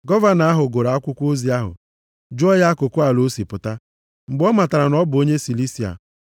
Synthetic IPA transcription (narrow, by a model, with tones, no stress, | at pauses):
ɡɔ˦va˦na˨˦a˦ɦʊ˨ɡo˨ɾa˨a˦kʷʊ˦kʷo˦zi˨a˦ɦʊ̰˨ | d͡ʒʊ˦ɔ˦ja˦a˦kʊ˨kʊ˦a˨lo˦si˨pʊ˨ta˦ | ŋ͡m̩˨ɡ͡bɔ˦ma˨ta˨ɾa˨nɔ˦bʊ˨o˦ɲe˦si˨li˦si˨a̰˨